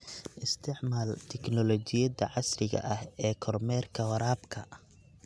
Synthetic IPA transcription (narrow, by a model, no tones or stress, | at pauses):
ʔɪst̪ʰɪʕmaːlt̪ʰɛknɔlɔt͡ʃɪjɐdɐ̰ʕɑsrɪɣɐ̰ʔɐhɛːkʰɔrmɛːrkʰɐwɐɾaːbkʰɐ